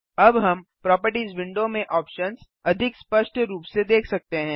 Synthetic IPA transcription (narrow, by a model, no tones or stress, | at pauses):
ɐbɦɐmpɾɔːpəɾʈiːzʋɪ̃ɳɖomẽʔɔːpʃənz | ɐd̪ʱɪkspəʃʈʰɾuːpsed̪eːkʰsɐk̚t̪eɦɛ̃ː